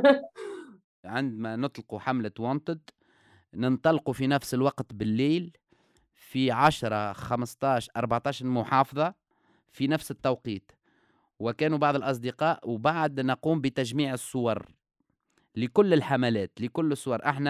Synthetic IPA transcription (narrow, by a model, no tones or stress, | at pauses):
ʕɪnd̪mænʊt̪ˤlquħamlat̪wɑnt̪ˤɨd̪ | nənt̪ˤɑlqufinæfsəlwɑqt̪bɪlːiːl | fiʕaʃɾˤɑxamst̪ˤɑːʃʔɑɾˤbaʕt̪ˤɑːʃɾmʊħɑːfðˤɑ | finæfsɪt̪ːɑwqiːt̪ | wɪkæːnubɑʕðˤəlʔɑs̬ˤd̪ɪqɑːʔwbaʕad̪naquːmbət̪æʒmiːʕəsˤːʊwɑɾˤ | lɪkʊlːɪlħamælɛːt̪lɪkʊlːəsˤːʊwɑɾˤʔaħnæ